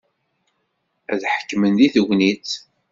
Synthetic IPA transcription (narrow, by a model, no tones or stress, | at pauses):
æðħə̥kːmənðiθəʝʷnit͡s